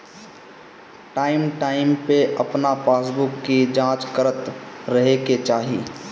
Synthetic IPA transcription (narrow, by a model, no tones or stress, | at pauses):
ʈaːɪmʈaːɪmpeʔɐpnapaːs̬bʊkːid͡ʒãːt͡ʃkəɾət̪ɾɐɦeket͡ʃaːɦiː